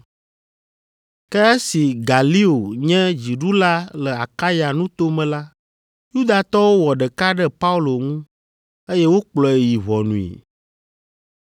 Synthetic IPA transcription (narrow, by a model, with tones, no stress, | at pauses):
kɛ˦e˦si˨ɡa˨li˦o˨ɲɛ̃˦d͡ʑi˨ɖu˦la˦lə˨a˨ka˦ja˨nũ˦t̪o˦mɛ̃˨la˦ | ju˦d̪a˨t̪ɔ˦wo˦wɔ˨ɖɛ˨ka˦ɖɛ˦pa˦u˦lo˨ŋũ˦ | e˦jɛ˦wo˦k͡plɔ˨e˨ji˨βɔ˨nũ˨ḭ˨